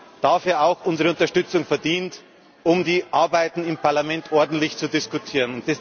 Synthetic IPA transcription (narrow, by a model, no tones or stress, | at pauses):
d̥aːfyːɐaʊxʔʊnzəʁəʊntɐʃtʏt͡sʊŋfɛɐdiːnt | ʔʊmdiːʔaɐbaɪtn̩ɪmpʰaɐlamɛntʰʔɔɐdn̩tlɪçt͡sudɪskʊtʰiːʁənʊntd̥ɛs